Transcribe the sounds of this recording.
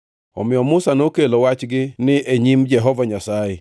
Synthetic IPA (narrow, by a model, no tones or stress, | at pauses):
ɔ̰mɪɔmʊsanokelowat͡ʃɡɪnɪʔeɲimd͡ʒɛɦɔvaɲasajɛ